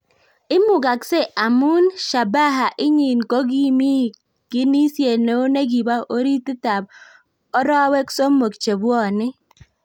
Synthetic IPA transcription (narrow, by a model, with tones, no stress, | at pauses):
ɪ˦mʊ˨ɡa˨kse˦ʔa˨mʊ˦nʃa˨ba˦ɦa˨ʔɪ˦ɲi˨nko˦ɡi˦mi˦ | ɡ̥ɪ˦ni˦sje˨no˨˦o˦ne˦ɡi˨ba˦ʔo˦ɾi˦tɪ˦ta˨b̚ | ɔ˦ɾɔ˦we˦kso˦mo˨kt͡ʃe˨bɔ˦˨nɪ˦